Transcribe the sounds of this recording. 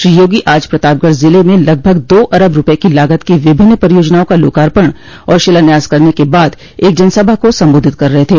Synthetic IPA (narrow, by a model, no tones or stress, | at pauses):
ʃɾijoːɡiʔaːd͡ʒpɾɐt̪aːp̚ɡəɽzɪlemẽlɐɡ̚bʱəɡd̪oːʔɐɾəbɾʊpəekilaːɡət̪kiʋɪbʱɪnːəpɐɾijoːd͡ʒnaːõkalo̰ːkaːɾpəɽ̃ | ɔːɾʃɪlənjaːzkɐɾnekebaːd̪ | eːk̚d͡ʒɐnsəbʱakosɐ̃mboːd̪ʱɪt̪̚kɐɾːɐɦet̪ʰeː